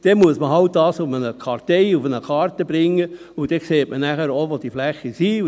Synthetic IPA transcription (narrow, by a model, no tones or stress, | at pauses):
d̥ɛmuəsməɦɑwt̚d̥ɑːsufənəkʰɑɾtɛɪufənəkʰɑːɾt̪əbɾɪŋːə | ud̥ɛkseːtmənæχəɾoʋod̥iəflæχːəsi